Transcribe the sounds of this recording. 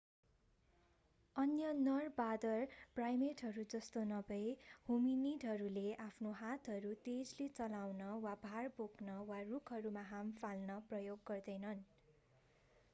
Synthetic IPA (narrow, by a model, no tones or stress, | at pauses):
ʌnjʌnʌrbad̪ʌrprajmeʈɦʌɾud͡zʌst̪onʌbʌjhuminiʈɦʌɾuleʔapʰnoɦat̪ʰɦʌɾut̪ed͡zlet͡sʌlawnʌwabʱarboknʌwarukʰʌɾumaɦampʰalnʌprʌjoɡːʌrd̪ʌjnʌn